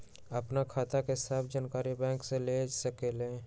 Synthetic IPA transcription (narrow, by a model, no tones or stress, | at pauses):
əpnakʰaːt̪akeɦɪsaːb̚ʰd͡ʒaːnkaːɾibɛ̃ːŋkseleːd͡ʒsəkelẽː